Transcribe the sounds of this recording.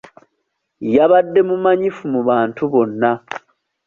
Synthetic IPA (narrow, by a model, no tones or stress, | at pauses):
jaβadːe̞mumaɲifumuβaːntʰuβo̞nːa